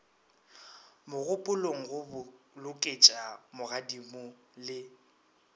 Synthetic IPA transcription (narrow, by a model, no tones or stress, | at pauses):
mʊɣʊpʼʊloŋ̩ɣʊlʊkʼet͡ʃʼamʊɣadimʊ | lɪ